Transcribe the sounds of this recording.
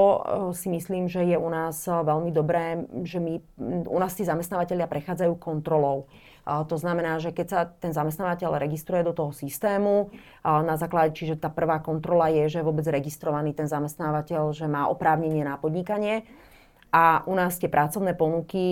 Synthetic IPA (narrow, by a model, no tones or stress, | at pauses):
ɔsimisliːmʒɛjɛunaːzʋɛʎmid̪ɔbɾɛːʒɛmiṵnaːst̪iːzamɛst̪naːʋacɛʎɪapɾɛxaːd͡zajuːkɔnt̪ɾɔlɔʊ | t̪ɔznamɛnaːʒɛkɛcsat̪ɛnzamɛst̪aːʋacɛʎɾɛɡist̪ɾujɛd̪ɔt̪ɔɦɔsist̪ɛːmu | nazaːklaɟɛt͡ʃiʒɛt̪aːpr̩ʋaːkɔnt̪ɾɔlajɛʒɛɛʋʊɔbɛd͡zɾɛɡist̪ɾɔʋaniːt̪ɛnzamɛst̪naːʋacɛʎʒɛmaːʔɔ̰pɾaːʊɲɛɲɪɛnapɔd̪ɲikaɲɪɛ | ʔaʔunaːst̪ɪɛpɾʔat͡sɔʊnɛːpɔnuki